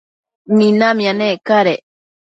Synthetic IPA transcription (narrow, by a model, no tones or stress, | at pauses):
mĩnamĩanekaɾe